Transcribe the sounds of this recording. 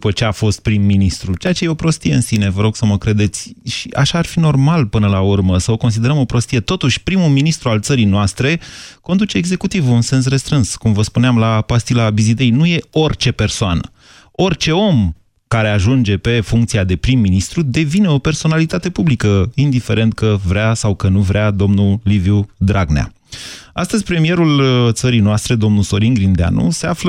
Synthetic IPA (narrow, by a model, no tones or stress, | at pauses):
d̪upət͡ʃe̞afo̞st̪̚pɾimːinist̪ɾut͡ʃeat͡ʃe̞jeopɾo̞st̪ie̞ɨnsine̞vəɾo̞ɡ̥səməkɾe̞d̪e̞t̪sʲʃiʔa̰ʃaːrfino̞rmalpɨnəlaurməsəo̞ko̞ns̬id̪e̞ɾəmo̞pɾo̞st̪ije̞t̪o̞t̪uʃʲpɾimuminist̪ɾualt̪səɾijnoast̪ɾe̞ko̞nd̪ut͡ʃe̞ːɡze̞kut̪ivunse̞ns̬re̞st̪ɾɨnskumvəspuneamlapast̪ilabizid̪e̞jnuje̞o̞rʲt͡ʃe̞pe̞rsoanə̰ | o̞rt͡ʃe̞o̞m | kaɾe̞aʒund͡ʒe̞pe̞fuŋkt̪siad̪e̞pɾimːinist̪ɾud̪e̞vine̞ope̞rso̞nalit̪at̪e̞publikəind̪ife̞ɾe̞nt̪̚kəvɾeasawkənuvɾead̪o̞mnulivjud̪ɾaɡnea̰ | ast̪əzʲpɾe̞mije̞ɾult̪səɾijnoast̪ɾe̞d̪o̞mnuso̞ɾiŋɡɾind̪ea̰nṵse̞aflə